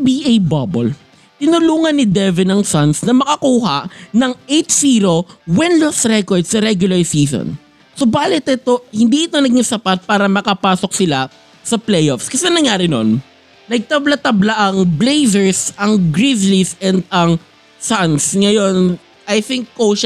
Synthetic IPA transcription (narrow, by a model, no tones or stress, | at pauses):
biʔejbabol | t̪ɪnʊluːŋɐnːɪd̪ɛvɪnɐŋsansnɐmɐkɐkuːɦɐnɐŋejt̪siːɾo̞wɛnlosɾɛkoɹd̪sɐɾɛɡjʊlɐɹsiːso̰n | sobaːlɪt̪ʔɪt̪o̞hɪnd̪iʔɪt̪o̞nɐɡɪŋsɐpat̪̚paːɾɐmɐkɐpaːso̞k̚sɪla | sɐplɛjofskɐsɛnɐŋjaːɾɪno̰n | nɐɡ̚t̪ɐblat̪ɐblaʔɐŋblejzɛɹsʔɐŋɡɹizlisɛnd̪̚ɐŋ | sansŋɐjo̞n | ʔɐjθɪŋkːoʃ